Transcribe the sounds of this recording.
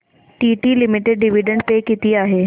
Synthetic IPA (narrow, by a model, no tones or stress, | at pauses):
ʈiːʈilɪmɪʈeɖ̚ɖɪʋiɖə̃ɳɖ̚pekɪt̪iaːɦeː